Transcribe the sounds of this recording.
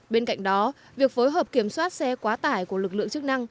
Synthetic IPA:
ɓe˧nka̰˧˨jŋ̟ɗɔ˨˦ | vi˨˩ək̚fo˨˦jɦəː˨˩p̚ki˧˩əmswaː˦˥t̚sɛ˧kwaː˨˦t̪aː˧˩jku˧˩əlɨ˨˩k̚lɨ̰˧˨əŋt͡ɕɨ˦˥k̚na˧ŋ

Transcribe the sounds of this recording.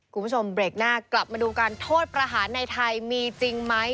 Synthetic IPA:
kʰu˧mʰbʰt͡ɕʰo˧mbɾeː˨˩k̚naː˥˩kla˨˩p̚maː˧duː˧kaː˧nt̪ʰoː˥˩t̪̚pɾa˧ɦaː˩˦nːa˧jt̪ʰa˧jmiː˧t͡ɕi˧ŋma˦˥j

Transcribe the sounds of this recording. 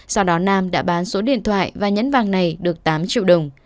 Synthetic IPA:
sa˧wɗɔ˨˦naː˧mɗa̰ː˧˥ɓaː˨˦nso˨˦ɗḭ˧˨ənt̪ʰwa̰ː˧˨jvaː˨˩ɲə̰˧˥nvaː˨˩ŋna˨˩jɗɨ˨˩ək̚t̪aː˨˦mt͡ɕḭ˧˨wɗə˨˩wŋ͡m

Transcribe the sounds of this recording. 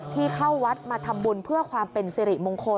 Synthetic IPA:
t̪ʰiː˥˩kʰa˥˩wːa˦˥t̪̚maː˧t̪ʰa˧mbu˧npʰɯ˥˩ɐkʰwaː˧mpe˧nsiː˧ɾi˨˩ʔmo˧ŋkʰo˧

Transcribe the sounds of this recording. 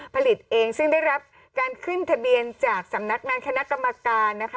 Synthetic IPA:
pʰa˧li˨˩t̪̚ʔeː˧ŋsɯ˥˩ŋda˥˩jɾa˦˥p̚ | kaː˧nkʰɯ˥˩nt̪ʰa˧bi˧ənt͡ɕaː˨˩k̚sa˩˦mna˦˥k̚ŋaː˧nkʰa˧na˦˥ʔka˧mːa˧kaː˧nːa˦˥kʰ

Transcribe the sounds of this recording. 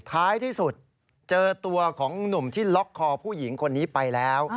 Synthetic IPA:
t̪ʰaː˦˥jt̪ʰiː˥˩su˨˩t̪̚ | t͡ɕɤː˧t̪u˧ɐkʰɔː˩˦ŋnu˨˩mt̪ʰiː˥˩lɔ˦˥kʰːɔː˧pʰuː˥˩ji˩˦ŋkʰo˧nːiː˦˥pa˧jlɛː˦˥w

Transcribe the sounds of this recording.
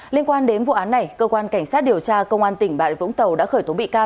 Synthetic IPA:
li˧ənkwaː˧nɗe˨˦nvṵ˧˨ʔaː˨˦nːa˨˩jkəː˧kwaː˧nka˧˩jŋ̟saː˦˥t̚ɗi˨˩əwt͡ɕaː˧kə˧wŋ͡mʔaː˧nt̪ï˧˩ŋ̟ɓa̰ː˧˨jvʊ̰˧˥ŋ͡mt̪ə˨˩wɗa̰ː˧˥xəː˧˩jt̪o˨˦ɓḭ˧˨kaː˧

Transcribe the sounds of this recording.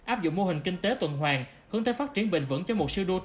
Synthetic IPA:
ʔaː˦˥p̚zʊ̰˧˨ŋ͡mmo˧hï˨˩ŋ̟ki˧ŋ̟t̪e˨˦t̪wə̰˨nɦwaː˨˩ŋ | hɨ˨˦əŋt̪ʰeː˨˧˦faː˦˥t̚t͡ɕi˧˩ənɓï˨˩ŋ̟və̰˧˥nt͡ɕɔ˧mo˨˩t̚sɨ˧ɗu˧

